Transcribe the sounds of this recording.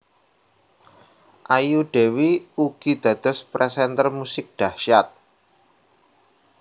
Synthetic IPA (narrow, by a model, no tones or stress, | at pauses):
ʔajuɖ̥e̤wiuɡ̥i̤d̪̥ä̤d̪̥ɔ̤spɾɛsɛnt̪ərmusɪk̚d̪̥a̤hʃat̪̚